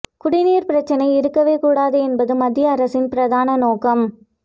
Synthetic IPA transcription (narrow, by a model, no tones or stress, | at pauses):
kʊɽɪniːɾpɪɾɐt͡ʃːɐnɐɪɪɾɯkːɐʋeːkuːɽaːðɯɛnbɐðɯmɐd̪ːɪjɐːɾɐsɪnpɪɾɐðaːnɐnoːkɐm